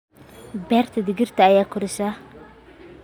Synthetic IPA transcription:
bɛːrt̪ʰɐd̪ɪɡɪrt̪ɐːjaːkʊɾɪʃa

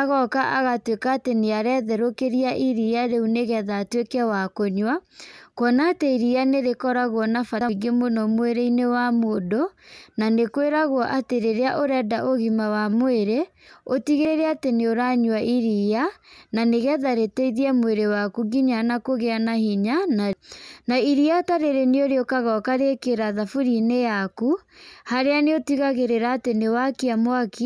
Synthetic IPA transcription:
aɣɔkaʔaɣatwekaːteneaɾɛðɛɾokeɾiaʔiɾiaɾeuneɣɛðaːtwekɛwakoɲwakwɔnateiɾianeɾekɔɾaɣwɔnafaiɡemonɔmweɾeinewamodonanekweɾaɣwɔʔateɾeɾeaʔoɾɛdaʔoɣimawamoeɾe | otiɣeɾeateneoɾaɲwaʔiɾiananeɣɛðaɾeteiðiamweɾewakuɡiɲanakoɣeanahiɲananaiɾiataɾeɾeneoɾeokaɣɔkaɾekeɾaðafuɾinejakuhaɾeaneotiɣaɣeɾeɾaːtenewakiamwaki

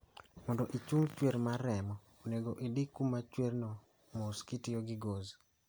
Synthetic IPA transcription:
mɔndɔʔit͡ʃuŋt͡ʃweɾmaɾɛmɔ | oneɡoʔidikumat͡ʃwernɔ | moskɪtɪjoɡɪɡoz

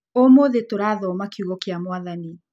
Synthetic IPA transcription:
omoðetoɾaðɔːmakiuɣɔkeamwaðani

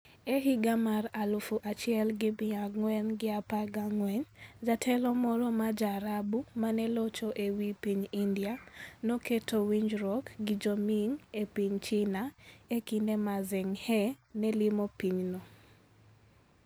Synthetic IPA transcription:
eɦiɡamaralufuʔat͡ʃɪɛlɡɪbɪaɡŋwɛnɡɪapaɡaŋwɛɲd͡ʒatʰɛlɔmɔɾɔmad͡ʒaɾabumanɛlɔt͡ʃoʔewipiɲindianoketowiɲd͡ʒɾɔkɡɪd͡ʒomiŋepiɲt͡ʃinaekindemazɪŋhɛnɛlɪmopiɲno

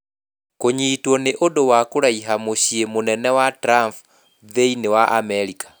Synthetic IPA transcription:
koɲiːtwɔneʔodowakoɾaiɦamoɕiemonɛnɛwatɾamp | ðeinewaʔamɛɾikʰḁ

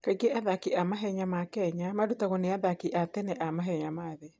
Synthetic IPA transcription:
kaiɡeʔaðakiʔamaɦɛɲamakɛɲamadutaɣoneaðakiʔatɛnɛʔamaɦɛɲamaðɛ

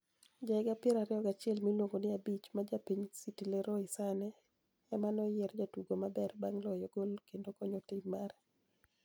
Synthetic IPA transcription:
d͡ʒaɪɡapɪɛɾaɾɪɔɡat͡ʃɪɛlmilwoŋɡonɪabit͡ʃmad͡ʒapiɲsitileɾɔɪsanɛ | ɛmanɔjɛrd͡ʒatuɡomabɛrbaŋlɔjɔɡolkendokɔɲɔtɪmːaɾɛ

